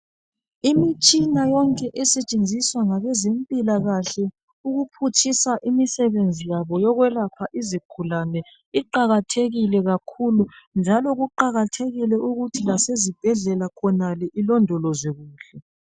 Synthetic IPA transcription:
imit͡ʃʼinajɔŋkʼɛʔɛsɛt͡ʃʼend͡zʱiswaŋaβɛzempʼilaɣaɬɛ | uɣupʰutʰisaʔimisɛβend͡zʱijaβɔjɔɣwɛlapʰaʔizikʰulanɛ | iǃaɣatʰeɣilɛɣakʰulund͡ʒʱalɔɣuǃaɣatʰeɣilɛuɣutʰilasezib̥ʱɛɮɛlakʰɔnalɛʔilɔndʱɔlɔzeɣuːɬɛ

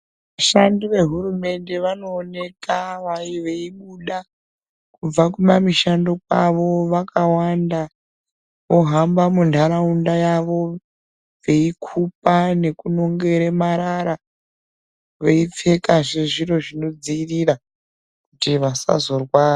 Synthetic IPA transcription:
ʋʋaʃandiʋe̞ɦuɾume̞nde̞ʋano̞ːne̞kaʋaiʋeiɓuɗa | kub͡vakumamiʃandokwaʋo̞ʋakawanda | ʋo̞ɦambamundʱaɾaundajaʋo̞ | ʋe̞ikʰup̚ane̞kuno̞ŋɡe̞ɾemaɾaɾa | ʋeip͡fe̞kaʐeʐiɾo̞ʐino̞d͡ziːriɾa | kutiʋasa̰zo̞rwaːra

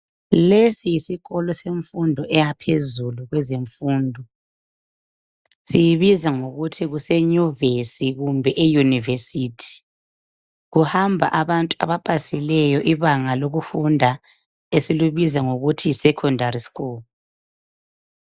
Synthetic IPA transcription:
lesijisiɣɔlɔseɱfundʱɔʔɛjapʰezuluɣwɛzeɱfuːndʱɔ | sijiβizaŋoɣutʰiɣusɛɲuvesiɣumbʱɛʔejunivesitʰi̥ | ɣuhambʱa̰ʔaβantʼua̰βapʼasilɛjɔʔiβaŋaloɣufundʱa | esiluβizaŋoɣutʰisɛkʰɔndʱaɾisi̥ɣuːlɔ

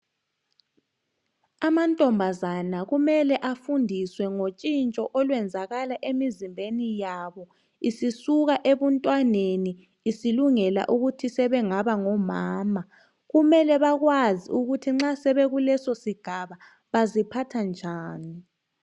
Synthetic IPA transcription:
amantʼɔmbʱazanaɣumɛlɛʔafundʱiswɛŋot͡ʃʼint͡ʃʼɔʔɔlwɛnd͡zʱaɣalaʔemizimbʱenijaβɔ | isisuɣaʔeβɔntʼwaneniː | siluŋɛla̰ʔuɣutʰisɛβɛŋaβaŋɔmaːma | ɣumɛlɛβaɣwaziuɣutʰiŋ͡ǁasɛβɛɣulɛsosiɡ̥ʱaβa | βazipʰatʰand͡ʒʱaːni

